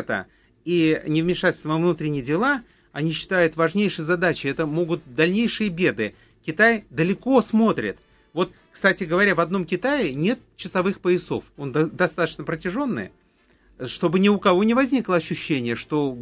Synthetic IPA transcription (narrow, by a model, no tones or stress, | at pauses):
t̪ə̰ | inʲɪvmʲɪʂatʲlʲsʲt̪vəvnut̪ɾʲɪnʲɪjədʲɪlˠa | ɐnʲiɕːɪ̥t̪ajʊt̪vɐʐnʲejʂɨjzɐd̪at͡ɕɪɛt̪əmo̞ɡʊt̪̚d̪ɐlʲnʲejʂɨjəbʲe̞d̪ɨ | kʲɪt̪ajd̪əlʲɪko̞smo̞t̪ɾʲɪ̰t̪ | vo̞t̪ | kst̪atʲɪɡəvɐɾʲavɐd̪no̞mkʲɪt̪aɪnʲe̞t̪̚t͡ɕːɪsɐvɨxpəjɪso̞̰fo̞nd̪d̪ɐst̪at̪ə̥t͡ɕnəpɾətʲɪʐo̞nːɨ̰j | ʂt̪o̞bɨnʲɪʊkɐvo̞nʲɪvɐzʲnʲiklˠəɐɕːʊɕːenʲɪjəʂt̪o̞